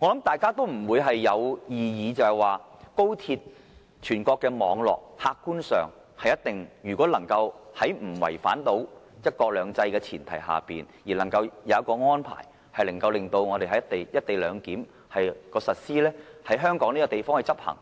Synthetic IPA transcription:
ŋɔː˨˧lɐ˨˥mt̪aː˨jkaː˥t̪o˥wm̩˨˩wuː˨˧jɦɐ˨jːɐ˨˧wjiː˨jiː˨˧t͡sɐ˧hɛ˨˩waː˨ | ko˥wt̪ʰiː˧t̚ | t͡ʃʰyː˨˩nkɔː˧kːɛː˧mɔ̰ː˨˧ŋlɔ̰ː˨k̚haː˧kkːuː˥nsœ̰ː˨ŋ | hɐ˨jɐ˥t̚t̪ɪ˨ŋjyː˨˩kʷɔː˨˥lɐ˨˩ŋkɐ˧whɐ˨˥jm̩˨˩wɐ̰˨˩jfa̰ː˨˥nt̪o˨˥w | jɐ˥t̚kɔː˧k̚lœː˨˧ŋt͡sɐ˧jkɛː˧t͡sʰḭː˨˩nt̪ʰɐ̰˨˩jɦa̰ː˨˩pḭː˨n | jiː˨˩lɐ˨˩ŋkɐ˧wjɐ˨˧wɐ˥t̚kɔː˧ŋɔː˥npʰa̰ː˨˩j | hɐ˨jlɐ˨˩ŋkɐ˧wlɪ˨ŋt̪o˧wŋɔː˨˧e˨jhɐ˨˥jɐ˥t̪e˨jjɐ˥t̚t̪e˨jlœː˨˧ŋkiː˨˥m | hɐ˨jkɔː˧sɐ˨t̚siː˥lɛː˥hɐ˨˥jɦœː˥ŋkɔː˨˥ŋniː˥kɔ˧t̪e˨jfɔː˥ŋhɐ˨jt͡sɐ˥p̚hɐ̰˨˩ŋ

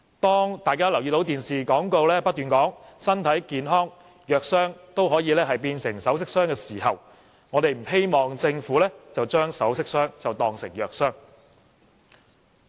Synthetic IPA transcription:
t̪ɔː˥ŋt̪aː˨jkaː˥lɐ˨˩wji˨˧t̪o˨˥wt̪iː˨nsiː˨kɔː˨˥ŋko˧wlɛː˥pɐ˥t̚t̪yː˨nkɔː˨˥ŋsɐ˥nt̪ʰɐ˨˥jkiː˨nɦɔː˥ŋ | jœː˨k̚sœː˥ŋt̪o˥wɦɔː˨˥jiː˨˧lɛː˥hɐ˨jpiː˧nsɪ̰˨˩ŋsɐ˨˥ws̬ɪ˥k̚sœː˥ŋkɛː˧siː˨˩ɦɐ˨w | ŋɔː˨˧t̪e˨jm̩˨˩ɦe˥jmɔː˨ŋt͡sɪ˧ŋfuː˨˥lɛː˥t͡sɐ˨wt͡ʃœː˥ŋsɐ˨˥wsɪ˥k̚sœː˥ŋt͡sɐ˨wt̪ɔː˨ŋsɪ˨˩ŋjœː˨k̚sœː˥ŋ

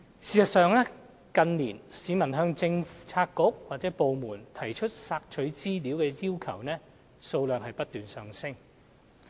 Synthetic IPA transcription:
siː˨sɐ˨t̚sœː˨˧ŋlɛː˥ | kɐ˨˧nliː˨˩nsiː˨˧mɐ˨˩nɦœː˧ŋt͡sɪ˧ŋft͡sʰaː˧kːʊ˨˥k̚waː˨t̚t͡sɛː˨˥po˨wmuː˨˩nt̪ʰɐ˨˩jt͡ʃʰɵ˥t̚saː˧k̚t͡ʃʰɵ˨˥t͡siː˥liː˨˥wkɛː˧jiː˥wkʰɐ˨˩wnɛː˥ | so˧wlœː˨ŋɦɐ˨jpɐ˥t̚t̪yː˨nsœː˨ŋsɪ˥ŋ

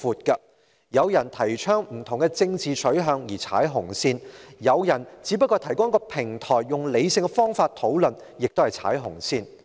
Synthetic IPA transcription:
fuː˨t̚kɐ˧ | jɐ˨˧wjɐ˨˩nt̪ʰɐ˨˩jt͡ʃʰœː˥ŋm̩˨˩t̪ʰʊ˨˩ŋkɛ˧t͡sɪ˧ŋt͡siː˨t͡ʃʰɵ˨˥ɥɦœː˨˧ŋjiː˨˩t͡sʰa̰ː˨˥jɦʊ˨˩ŋsiː˧njɐ˨˧wjɐ˨˩nt͡siː˨˥pɐ˥kːɔː˧t̪ʰɐ˨˩jkʊ˥ŋjkɔː˧pʰɪ˨˩ŋt̪ʰɔː˨˩jːʊ˨ŋle˨˧jsɪ˧ŋkɛ˧fɔː˥ŋfaː˧t̚t̪ʰo˨˥wlɵ˨n | jɪ˨k̚t̪o˥whɐ˨jt͡sʰa̰ː˨˥jɦʊ˨˩ŋsiː˧n

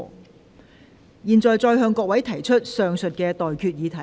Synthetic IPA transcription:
jiː˨nt͡sɔː˨jt͡sɔː˧jɦœː˧ŋkɔː˧k̚wɐ˨˥jt̪ʰɐ˨˩jt͡ʃʰɵ˥t̚sœː˨ŋsɵ˨t̚kɛː˧t̪ɔː˨jkʰyː˧t̚jiː˨˧t̪ʰɐ˨˩

